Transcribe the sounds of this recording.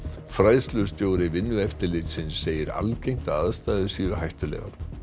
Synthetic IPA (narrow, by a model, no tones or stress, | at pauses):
fɾajðst̪lʏst̪joːwɾɪvɪnːʏɛft̪ɪlɪt̪sɪnsːeːjɪɾa̰lcejŋ̥t̪aðaðst̪aːjðɪsiːɣʏɦajht̪ʏlɛ̰ːɣa̰ɾ̥